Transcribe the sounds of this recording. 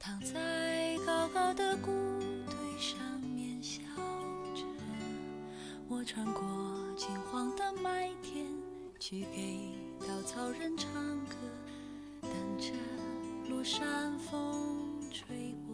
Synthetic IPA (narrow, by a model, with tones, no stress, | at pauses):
t̪ʰɑ˨˩ŋt͡se˥ɪɪkɑ˥ʊkɑ˥ʊd̪ə˨ku˥t̪ʰwe˧˥˩ɪʂɑ˥ŋmjɛ˧˥nɕjɑ˨˥˩ʈ͡ʂɤ˧˩ | wɔ˧˥ʈ͡ʂʰwa˧˥nkwɔ˧˥t͡ɕʰi˧˩ŋxwɑ˥ŋt̪ə˧ma˥t̪ʰjɛ˥n | t͡ɕʰi˧˥pe˧˩ɪ | t̪ɑ˨˩ʊt͡sʰɑ˥ʊɻə˥˧nʈ͡ʂʰɑ˥ŋkʰɤ˧˥ | t̪a˧˩ŋʈ͡ʂə˧˥lu˥˧˩ʂa˥nfo˥ŋʈ͡ʂʰwe˥ɪpɔ˧˩